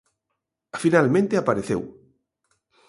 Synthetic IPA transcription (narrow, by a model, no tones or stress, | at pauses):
afinalmẽnt̪eapaɾeθḛw